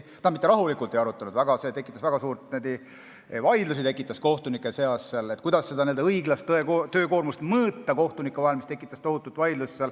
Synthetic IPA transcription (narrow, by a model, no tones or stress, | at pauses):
t̪ɑmit̪ːˑeɾɑɦulikˑult̪e̞jɑɾut̪ːˑɑnud̪væɡ̥ɑse̞ːt̪e̞kːˑit̪ːˑɑsvæɡ̥ɑsuːɾt̪ned̪i | vɑjd̪lusit̪e̞kːˑit̪ːˑɑsko̞ht̪unikːˑeseɑsːelet̪ːˑkujd̪ɑsːe̞d̪ɑnield̪eɤjɡlɑst̪ːekot̪ø̞ːko̞ːrmust̪mɤːt̪ːɑko̞ht̪unikːˑevɑɦelmist̪ekːˑit̪ːˑɑst̪o̞ɦut̪ːˑult̪ːˑvɑjd̪lusːel